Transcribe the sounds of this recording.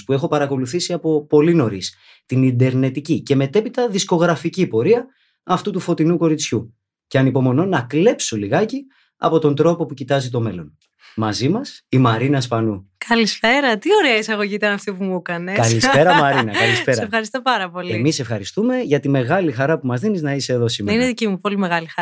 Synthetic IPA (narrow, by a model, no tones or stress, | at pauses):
spue̞xo̞pɐɾɐko̞luθisiɐpo̞po̞lino̞ɾis | t̪inid̪e̞ɾne̞t̪icice̞me̞t̪e̞pit̪ɐðisko̞ɣɾɐficipo̞ɾiɐ | ɐft̪ut̪ufo̞t̪inuko̞ɾit͡sçu | ce̞ɐnipo̞mo̞no̞nɐkle̞psoliɣɐci | ɐ̰po̞t̪o̞nd̪ɾo̞po̞pucit̪ɐzit̪o̞me̞lo̞n | mɐzimɐsimɐɾinɐspɐnukʰɐlispe̞ɾɐt̪io̞ɾeɐisɐɣo̞ʝiːt̪ɐnɐft̪ipumukɐnekɐlispe̞ɾɐmɐɾinɐkɐlispe̞ɾɐefxɐɾist̪opɐɾɐpoliemise̞fxɐɾist̪ume̞ʝɐt̪ime̞ɣɐlixɐɾɐpumɐzðiniznɐise̞ːðo̞simineðicimupo̞limeɣɐlixɐ